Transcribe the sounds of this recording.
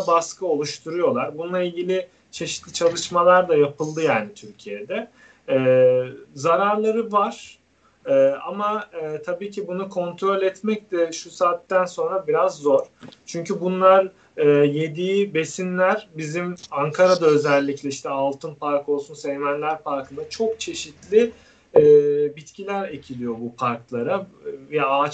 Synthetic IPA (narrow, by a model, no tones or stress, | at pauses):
baskɯo̞lˠuʃt̪ʰuɾujo̞lˠaɾbununˠailʲɟilʲɪ | t͡ʃʰe̞ʃit̪lʲit͡ʃʰalˠɯʃmalˠaɾd̪ajapʰɯlˠd̪ɯjaːnit̪ʰyɾcʰijed̪ɛː | zaɾaɾlˠaɾɯvaɾ̥ | ɯːamaːt̪ʰabiːcʰibunukʰo̞nt̪ʰɾo̞lʲɛt̪mɛc̚d̪ɛʃusaːt̪ːænso̞nɾabiɾazːo̞ɾ̥t͡ʃʰyɲcʰybunlˠaɾ | ɯːje̞d̪iibe̞sinlʲæɾbizimaŋkʰaɾad̪aø̞zɛlʲːiclʲɛiʃt̪ʰɛalˠt̪ʰɯnpaɾkʰo̞lˠsunsɛjmænlʲæɾpaɾkɯnd̪at͡ʃʰo̞k̚t͡ʃʰe̞ʃit̪lʲɪː | bit̪cʰilʲæɾe̞cʰilʲijo̞bupʰaɾklˠaɾavɛaːt͡ʃ